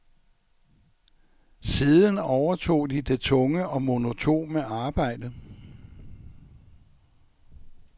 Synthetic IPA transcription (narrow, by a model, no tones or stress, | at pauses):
siːðˠənɒʊɐt͡sʰo̝̰ːd̥id̥e̝t͡sʰɔ̽ŋəɒ̽mo̝no̝t͡sʰo̝̰ːməɑ̈ːb̥ɑ̈ɪ̰d̥ə